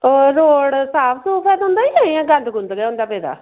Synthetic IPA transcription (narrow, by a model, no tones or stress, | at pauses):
oːɾoːɽsaːpʰsupʰɛːd̪ɔ̃ːnd̪aːiːãːiãːɡə̃nd̪ɡʊnd̪ɡɛːõːnd̪aːpeːd̪a̰ː